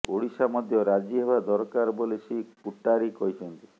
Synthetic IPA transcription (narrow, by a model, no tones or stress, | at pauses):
oɽisamɔd̪ʱjɔɾad͡ʒiɦebad̪ɔɾɔkaɾbɔlesikuʈːaɾikɔɦit͡ʃʰɔnt̪i̥